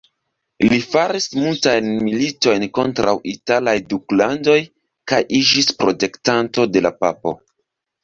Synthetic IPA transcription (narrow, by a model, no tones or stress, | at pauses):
lifaɾismultajnmilito̞jnko̞ntɾʔa̰witalajduklando̞j | kajʔid͡ʒispɾo̞te̞ktanto̞de̞lapapo̞̰